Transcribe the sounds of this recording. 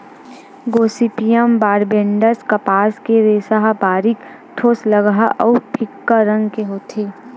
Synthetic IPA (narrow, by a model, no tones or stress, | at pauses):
ɡoːsipijəmbaːɾbẽɳɖəskɐpaːskeɾeːsaɦabaːɾik | ʈʰoːsləɡɦaɔʊpʰɪkːaɾə̃ŋɡkeɦoːt̪ʰeː